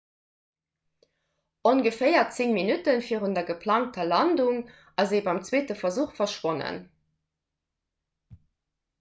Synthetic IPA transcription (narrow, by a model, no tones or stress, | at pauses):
onɡəfeɪɐt͡siŋminutənfiːʁundɐɡəpʰlɑːŋk̚tɐlɑnduŋ | ʔɑzebɑɪmt͡sweːtəfɐzuːχfɐʃwonə̰n